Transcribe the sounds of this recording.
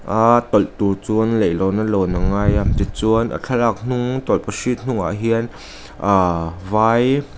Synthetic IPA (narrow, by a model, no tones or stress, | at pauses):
ʔat̪ɔlt̪urt͡suənlejlɔwnalonaŋajat̪it͡suənʔa̰t͡ɬʰalak̚n̥uŋt̪ɔlpəsit̪̚n̥uŋa̰ʔɦiən | ʔavaːj